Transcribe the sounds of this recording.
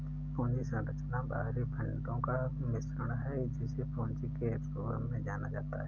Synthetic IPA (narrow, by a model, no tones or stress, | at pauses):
põːnt͡ʃisə̃ɾət͡ʃnaba̰ːɦɾibʱə̃ɳɖõka | mɪsɾəɽ̃ɦɛd͡ʒisepoːnt͡ʃikesoːɡɾə̰mːẽd͡ʒaːnad͡ʒaːt̪a̰ɦɛ